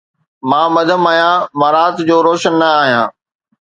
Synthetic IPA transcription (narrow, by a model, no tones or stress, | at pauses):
mãːmɐd̪ʱəmaːɦijãmãːɾaːt̪d͡ʑoːɾoːʃənːɐaːɦijãː